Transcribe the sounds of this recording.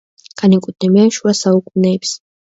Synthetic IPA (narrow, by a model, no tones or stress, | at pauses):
kʰʼanikʼud̪̚nɛmɛɛnʃuasaukʼmnɛːps